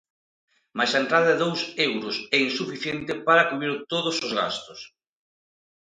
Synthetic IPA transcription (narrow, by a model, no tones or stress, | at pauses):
majsaent̪ɾaðɐðeðowsewɾʊsɛinsufiθjent̪ɪpaɾɐkuβɾiɾt̪oðʊsozɣa̰st̪ʊs